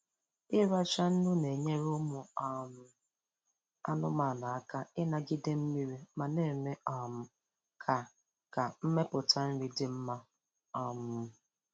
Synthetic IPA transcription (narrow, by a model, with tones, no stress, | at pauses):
ɪ˦ɾa˦t͡ʃa˦n̩˦nʊ˦ne˨ɲe˦ɾʊ˦mʊ˨a˨m̩˨ | a˦nʊ˦ma˨na˨a˦ka˦ɪ˦na˨ɡɪ˦de˦m̩˦mi˦ɾi˦ma˨ne˦˨me˦a˨m̩˨ | kʰa˨ | ka˨m̩˦me˦pʊ˨ta˦n̩˦ɾi˦dɪ˨m̩˦ma˦ | ɔ˨mʊ˦˨